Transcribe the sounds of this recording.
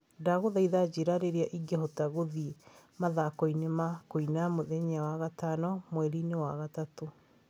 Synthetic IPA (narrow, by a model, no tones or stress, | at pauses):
daɣoðaiðad͡ʑeɾaɾeɾeaʔiɡehotaɣoðimaðakoinemakoinamoðɛɲawaɣatanɔmwɛɾinewaɣatato